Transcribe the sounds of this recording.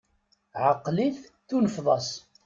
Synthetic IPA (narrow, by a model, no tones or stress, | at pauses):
ʕəqːliθθunəfðˤɑs